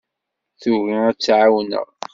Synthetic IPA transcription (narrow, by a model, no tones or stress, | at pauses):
θuɣiæt͡sːʕawnə̰ʁ